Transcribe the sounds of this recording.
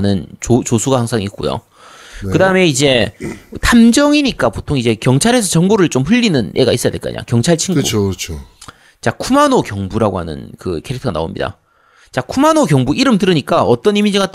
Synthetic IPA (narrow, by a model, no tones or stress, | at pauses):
nɯnt͡ɕot͡ɕosʰuɡahaŋsʰaŋik̚k͈ujo̰ | kɯdaɯme̞id͡ʑe̞tʰamd͡ʑʌŋiɲik͈apotʰoŋid͡ʑe̞kjʌŋt͡ɕʰaɾe̞s̬ʰʌt͡ɕʌŋɡoɾɯɭt͡ɕomɸɯʎːinɯnʔe̞ɡa̰is͈ʌjadeɭk͈a̰ɲa̰kjʌŋt͡ɕʰaɭt͡ɕʰiŋɡṵt͡ɕʰo | t͡ɕakʰumanokjʌŋbuɾaɡohanɯ̰nkɯ̰kʰe̞ɾik̚tʰʌɡana̰o̰mɲḭda̰ | t͡ɕakʰumanokjʌŋbuiɾɯmtɯɾɯɲik͈aʌt͈ʌnimind͡ʑiɡat͈